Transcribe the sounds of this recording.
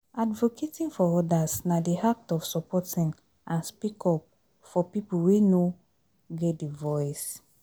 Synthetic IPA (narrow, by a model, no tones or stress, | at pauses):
advokʰetĩnfɔɔdasnadiak̚tɔfsɔpɔtĩn | ãnspikʰɔp̚ | fɔpipuweno | ɡɛt̚divɔjs